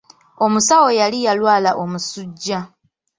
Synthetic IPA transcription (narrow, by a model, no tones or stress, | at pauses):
o̞musawo̞jalijalwaːlaʔo̞musuɟːa